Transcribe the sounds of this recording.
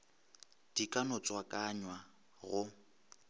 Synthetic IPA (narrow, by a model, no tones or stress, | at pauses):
d̥ikʼanʊt͡sʼwakʼaɲwa | ɣʊ